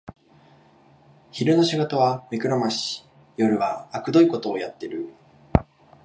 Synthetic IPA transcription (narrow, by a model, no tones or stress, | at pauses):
çiɾɯ̟no̞ɕiɡo̞t̪oβamʲekɯ̟ɾomaɕi̥ | jo̞ɾɯ̟βaːkɯ̟d̪o̞ikot̪o̞ːjat̪ːe̞ɾɯ̟